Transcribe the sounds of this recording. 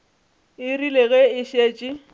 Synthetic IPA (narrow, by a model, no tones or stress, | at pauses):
ɪrileɣɛɪʃeːt͡ʃʼɪ